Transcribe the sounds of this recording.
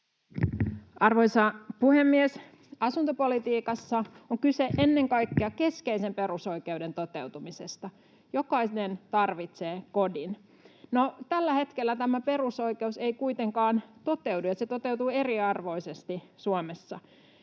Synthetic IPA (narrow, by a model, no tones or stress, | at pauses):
ʔɑrʋoisɑpuhemːies | ɑsunt̪opo̞lit̪iːkɑsːɑoŋkyseʔenːe̞ŋkɑjkːeɑke̞skeise̞mpe̞ɾuso̞ike̞ude̞nt̪o̞t̪e̞wt̪umisest̪ɑ | jokɑisnent̪ɑrʋit̪seːko̞din | not̪ælːæhe̞t̪kelːæt̪æmæpe̞ruso̞ike̞useikuijt̪e̞ŋkɑːnt̪o̞t̪ewdujɑset̪ot̪ewt̪ue̞riɑrʋo̞isest̪isuomesːɑ